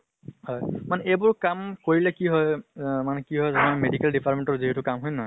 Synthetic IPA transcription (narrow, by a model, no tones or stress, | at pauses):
hɔjmanɛejbʊɹkamkoɹilɛkiɦɔjmanɛkiɦɔjzɔnɔjmedikɛldipʰaɹtmẽntɔɹziɦɛtukamɦɔjnɔ